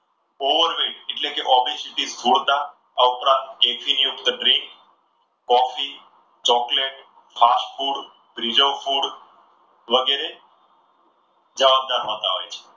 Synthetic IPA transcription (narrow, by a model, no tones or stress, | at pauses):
oʋəɾʋiʈeʈlekeʔɔbisiʈist̪ʰuɽt̪a | aʊpɾãnt̪ekfinjuʈd̪əɖɾɪ̃ŋkː | ɔfi | t͡ʃɔkleʈ̚ | fasʈfuɽ | bɾid͡ʒəwfuɽ | ʋəɡeɾe | d͡ʒəʋab̚d̪aɾʋãt̪aɦo̰jt͡ʃʰe̥